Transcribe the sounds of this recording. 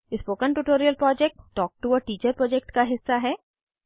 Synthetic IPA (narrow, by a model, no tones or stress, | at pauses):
ɪspoːkənʈuʈoːɾiəlpɾɔːd͡ʒɛk̚ʈːɔːk̚ʈuəːʈiːt͡ʃəɾpɾɔːd͡ʒɛk̚ʈkaɦɪsːaɦɛː